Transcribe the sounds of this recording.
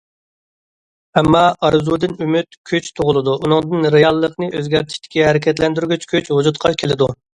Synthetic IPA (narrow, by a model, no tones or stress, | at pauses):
ɛmːɑɑɾɨzud̪ɨnymyt̪kʲʰøt͡ʃt̪ʰoʁʊlˠɨd̪uʔunɨŋd̪ɨnɾejɑlˠːəqnɨøzɡʲæɾt̪ʰi̥ʃʲt̪ɪ̥kʲiɦɛɾɪkʲʰɛt̪lɛnd̪yɾɡʲyt͡ʃkʲʰøt͡ʃhud͡ʒut̪qʰɑkʲʰelɪd̪u